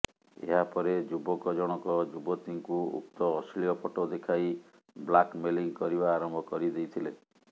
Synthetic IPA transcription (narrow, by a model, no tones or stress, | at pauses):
ḛɦapɔɾed͡ʒubɔkɔd͡ʒɔɽ̃ɔkɔd͡ʒubɔt̪iŋkuṵk̚t̪ɔːsliɔpʰɔʈod̪ekʰaj | blakmeliŋkɔɾibaːɾɔmbʱɔkɔɾid̪ejt̪ʰile